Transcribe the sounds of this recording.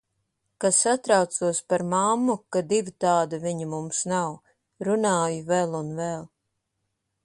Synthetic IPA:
kasat̪ɾawt̪suɔspaɾmamːukad̪ivit̪aːd̪aviɲamumsnaw | ɾunaːjuvɛlˠunvɛlˠ

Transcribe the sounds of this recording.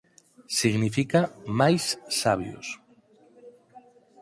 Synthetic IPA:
siɣnifikamajsːaβjo̰s

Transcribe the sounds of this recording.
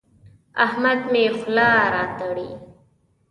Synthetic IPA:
ahmad̪mexlɑɾɑːt̪aɽḭ

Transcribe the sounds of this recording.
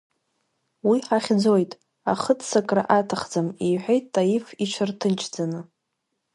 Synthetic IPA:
wiħaχʲd͡zo̞jtʼ | aχətʰʼsakʼra̰ʔatʰaχd͡zamijħʷᶣejtːʼajifit͡ʃʷʰartʰɨnt͡ʃʰd͡zanɨ

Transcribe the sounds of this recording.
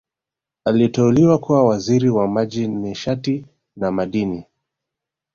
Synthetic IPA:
alitɛuliwakuwawaziɾiwamaʄinɛʃati | namaɗini

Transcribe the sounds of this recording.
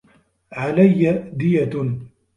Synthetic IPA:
ʕalajːad̪ɪja

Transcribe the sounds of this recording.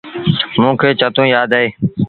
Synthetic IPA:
mũːkʰeːt͡ʃət̪ũːjaːd̪eː

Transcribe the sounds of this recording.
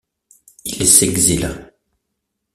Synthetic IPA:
ilɛsɛɡzila

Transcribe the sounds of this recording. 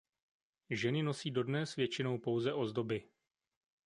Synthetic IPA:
ʒɛnɪnosiːdo̞dnɛsvjɛt͡ʃɪno̞wpo̞wzɛʔo̞zdo̞bɪ

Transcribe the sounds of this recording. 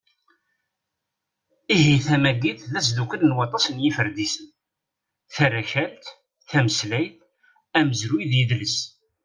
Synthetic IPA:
ihiθæmæɡiθðæsd̪ukələnwɑt̪ˤɑsənjifəɾd̪isən | θæɾæçælt̪ | θæməslæjθ | æməzɾujðjəðləs

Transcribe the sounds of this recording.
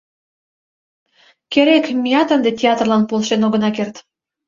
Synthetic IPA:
keɾekmʲijɑt̪ənd̪etʲeɑt̪rlɑnpolʃenoɣənɑkert̪

